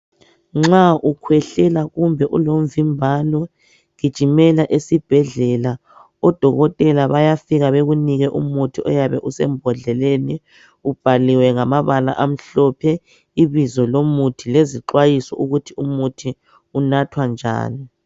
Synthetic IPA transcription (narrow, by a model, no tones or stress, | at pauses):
ŋ͡ǁaʔukʰwɛɬɛlaɣumbʱɛʔulom̩vimbʱalɔ | ɣid̥ʒ̥ʱimɛlaʔesib̥ʱɛɮɛla | ɔd̥ʱɔɣɔtʼɛlaβajafiɣaβeɣuniɣɛʔumutʰiɔjaβɛʔusɛmbʱɔɮɛleni | ub̥ʱaliwɛŋamaβala̰ʔam̩ɬɔpʰɛ | iβizɔlomutʰileziǃwajisɔ̰ʔuɣutʰiumutʰi | unatʰwand͡ʒʱa̰ːni